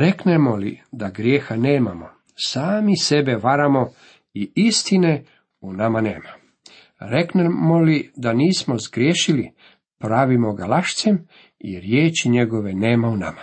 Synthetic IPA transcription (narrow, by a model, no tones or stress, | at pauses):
ɾeknemo̞lid̪aɡɾjeːxane̞ːmamo̞ | saːmise̞be̞ʋaɾamo̞ | iist̪ine̞ | unamane̞̰ːma | ɾe̞knemolid̪aniːsmo̞zɡɾjeːʃili | pɾaːʋimo̞ɡalaʃt̪se̞m | ḭɾjeːt͡ɕiɲe̞ɡo̞ʋe̞ne̞ːmauna̰ma